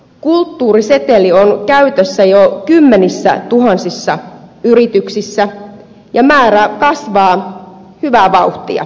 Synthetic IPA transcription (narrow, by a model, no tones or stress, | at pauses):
kult̪ːuːrise̞t̪elionkæyt̪øsːæjokymːenisːæ̰t̪uɦɑnsisːɑyɾit̪yksisːæ | jɑmæːɾækɑsʋɑː | hyʋæʋɑuht̪iɑ̰